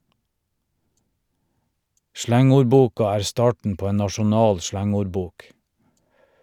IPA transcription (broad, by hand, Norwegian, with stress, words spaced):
ˈʃlæŋʊɾˌbuːkɑ ˈæːɹ ˈstɑːʈɳ̩ ˈpoː ˈeːn nɑʃʊˈnɑːl ˈʃlæŋʊɾˌbuːk